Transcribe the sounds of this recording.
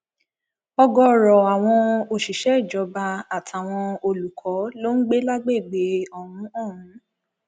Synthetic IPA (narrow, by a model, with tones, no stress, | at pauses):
ɔ˧ɡɔ˧ɾɔ˨a˨w̃ɔ̃˧o˧ʃi˨ʃɛ˨˦i˦˨d͡ʒɔ˨˧˦ba˧a˨tʰa˨w̃ɔ̃˧o˧lu˨kʰɔ˨˦lo˦n̩˦ɡ͡be˦la˦ɡ͡be˦˨ɡ͡be˨˦ɔ˨ɾũ˨˦ɔ̃˦˨ɾũ˨˦